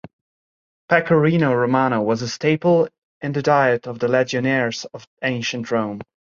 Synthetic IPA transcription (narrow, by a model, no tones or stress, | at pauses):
pʰækʰəɹinoʊɹomañowʌzəsteɪpl̩ˠ | ɨ̃nðɨdaɪɨɾʌvðəlɛd͡ʒɨnɛɹz̥ʌvẽɪ̃nʃɨ̃ntʰɹõʊ̃m